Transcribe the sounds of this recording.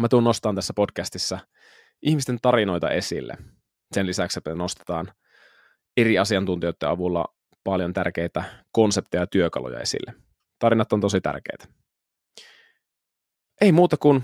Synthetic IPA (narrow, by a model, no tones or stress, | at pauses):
mæt̪unːo̞st̪ɑːnt̪æsːæpo̞dkæst̪isːæ | ʔiçhmist̪e̞nt̪ɑrino̞jt̪ɑ̰ʔe̞sḭlːḛ | senlisækseno̞st̪e̥t̪ɑːn | e̞ɾiɑsiɑnt̪unt̪ijojt̪ːeɑʋulːɑ̰ | pɑljo̞nt̪ærk̟ejt̪æko̞nsep̚t̪ijɑjɑt̪yøkɑ̰lo̰jɑ̰e̞̰sḭlːe | t̪ɑɾinɑt̪ːont̪o̞sit̪æ̰rk̟ḛːjt̪æ̥ | ʔe̞imuːt̪ɑkun